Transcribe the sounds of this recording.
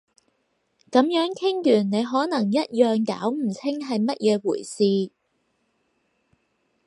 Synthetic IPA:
kɐ˨˥mjœː˨˥ŋkʰɪ˥ŋjyː˨˩nne˨˧jɦɔː˨˥nɐ˨˩ŋjɐ˥t̚jœː˨ŋka̰ː˨˥wm̩˨˩t͡sʰɪ˥ŋɦɐ˨jmɐ˥t̚jɛː˨˧wuː˨˩jsiː˨˧

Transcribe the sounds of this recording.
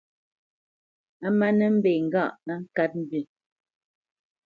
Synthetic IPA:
a˦ma˦nə˦m̩˦be˨ŋ̩˨ɡa˦˨ʔnə˦ŋ̩˦ka˦t̚m̩˦bɥi˨

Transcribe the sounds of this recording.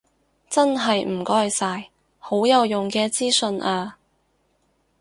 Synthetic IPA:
t͡sɐ˥nɦɐ˨jm̩˨˩kɔː˥jsaː˧j | ho˨˥wjɐ˨˧wjʊ˨ŋkɛː˧t͡siː˥sɵ˧nʔaː˧

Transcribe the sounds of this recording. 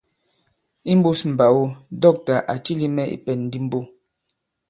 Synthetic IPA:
i˦m̩˦bu˦sm̩˨ba˨wo˦dɔ˦˨k̚ta˨ʔa˨t͡ʃi˦li˦mɛ˦ʔḭ˨pɛ˨nn̩˦di˦m˦bo˦

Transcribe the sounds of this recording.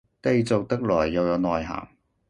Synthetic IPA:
t̪e˧jt͡so˨k̚t̪ɐ˥k̚lɔː˨˩jːɐ˨˧wjɐ˨˧wnɔː˨jɦa̰ː˨˩ŋ

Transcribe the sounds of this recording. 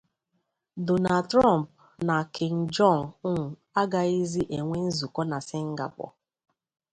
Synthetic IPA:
dʊ˨na˨tɾa˦˨m̩˨p̚ | na˨kʰɪ˨ŋ̩˨d͡ʒɔ˦˨nʊ˦ŋ̩˨ | a˦ɡa˨i˦zi˦ʔe˨ŋʷe˦n̩˦zu˨kɔ˦na˨sɪ˦ŋ̩˦ɡa̰˨pɔ̰˨

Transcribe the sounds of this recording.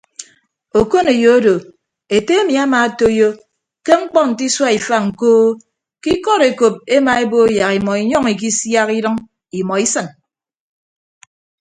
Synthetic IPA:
o˨ko˦ne˨jo˦o˦do˨ | e˨te˦e˦mi˨a˦ma˨a˦to˦jo˦ | ke˦ŋ͡m̩˦k͡pɔ˦n̩˨ti˦swa˦i˨fa˦ŋ̩˨koː˦ | ki˦kɔ˦ɾe˨ko˨p̚e˦ma˨e˦bo˦ja˨ki˨mɔ˨i˨ɲɔ˦ŋi˨k̬i˦sja˦ki˦ɾɨ˦ŋ | i˨mɔ˨i˦sɨ˦˨n

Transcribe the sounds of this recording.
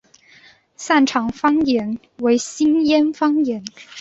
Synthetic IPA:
sa˥˩nʈ͡ʂʰɑ˨˩ŋfɑ˥ŋjɛ˧˥n | we˧˥ɪɕi˥njɛ˥nfɑ˥ŋjɛ˧˥n

